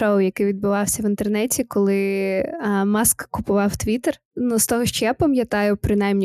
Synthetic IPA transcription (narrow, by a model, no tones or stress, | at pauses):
oʊjɐkɪʋʲid̪̚bʊʋɑwsʲɐʋɪnt̪ernɛtʲikɔlˠɪ | mɑskːʊpʊʋɑwt̪ʋʲit̪er | nust̪ɔɦɔʃt͡ʃjɛpɔmʲjɐt̪ɑjʊpɾɪnɑjmnʲi